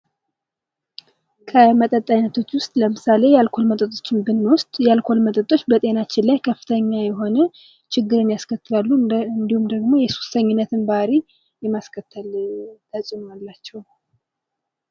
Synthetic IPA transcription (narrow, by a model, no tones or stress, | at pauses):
kʰəmət̪ʼət̪ʼːajnət̪ʰo̞t͡ʃːwʊst̪ʼləmɨsale̞jalkʰo̞lmət̪ʼət̪ʼo̞̥t͡ʃːɪnbɨnːwʊst̪ʼjɛalkʰo̞lmət̪ʼət̪ʼo̞t͡ʃːbət̪ʼe̞nat͡ʃːɪnlajkʰəfɨ̥t̪ʰəɲːajɛɦo̞nə | t͡ʃɪɡːɨɾɨnjaskʰət̪ːɨlalːuɨnd̪ihumd̪əɡmo̞jɛsu̥st̪ʰəɲːɪnːət̪ʰɨnbaɾi | jɛmaskʰət̪ʰːəlt̪ʰəsʼnoalːat͡ʃːɛw